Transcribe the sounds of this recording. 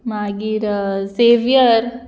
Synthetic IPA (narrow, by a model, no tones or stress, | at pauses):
maːɡiɾseːʋijəɾ